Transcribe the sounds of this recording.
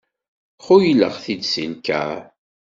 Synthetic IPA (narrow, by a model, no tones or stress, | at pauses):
χʊjlːə̰ʁθid̪sinkæ̰